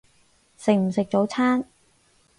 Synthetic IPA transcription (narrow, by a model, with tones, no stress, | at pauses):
sɪ˨k̚m̩˨˩sɪ˨k̚t͡so˨˥wt͡sʰaː˥n